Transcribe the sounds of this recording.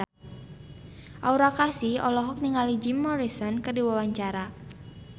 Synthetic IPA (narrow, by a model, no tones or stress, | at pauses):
ʔauɾakasiɔlɔɦɔk̚niŋalid͡ʒimːɔɾisɔnkərdiwawaɲt͡ʃaɾa